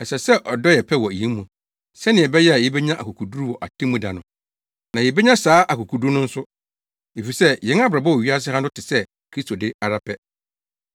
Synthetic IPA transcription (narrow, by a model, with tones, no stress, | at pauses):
ɛ˨sɛ˨sɛ˦ʔɔ˨dɔ˦jɛ˨pʰɛ˦wɔ˨ĩ˦mũ˨ | sɛ˦nɪ̃˨ɛ˨bɛ˦jɛ˦a˨jɛ˦bɛ˦ɲã˦ʔa˨ku˨kʰu˨du˦ɾu˦wɔ˨ʔa˨tʰɪ̃˦mũ˦da˨nʊ̃˨ | nã˨jɛ˨bɛ˦ɲã˦saː˨˦ʔa˨ku˨kʰu˨du˦nʊ̃˦n̩˦sʊ˦ | e˨fi˨sɛ˦jɛ̃˨˦n˦a˦bɾa˨bɔ˦wɔ˨ɥi˦a˦s̬ɪ˦hã˦ndʊ˦tʰɪ˨sɛ˦ | kʰɾi˦stʰo˨dɪ˦a˨ɾa˦pʰɛ˦